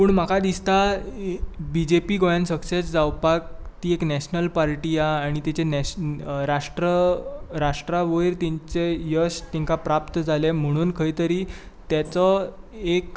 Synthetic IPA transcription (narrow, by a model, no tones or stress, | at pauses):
puːɳm̤akad̪ist̪a | bid͡ʑepiːɡojansəksesd͡zawpak̚t̪iːeknɛɕnəlpaɾʈiaːɽ̃it̪it͡ɕenɛɾaʂʈɾəɾaʂʈɾaʋəjɾt̪iɲt͡sejəst̪ĩŋkapɾapt̪əd͡zʱalem̤əɽ̃uːnkʰəjt̪əɾiː | t̪jat͡sɔek